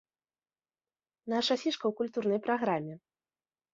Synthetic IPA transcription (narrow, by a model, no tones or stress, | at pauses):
naʂasʲiʂkɐwkulʲt̪urnɐjpɾaɣɾamʲːɛ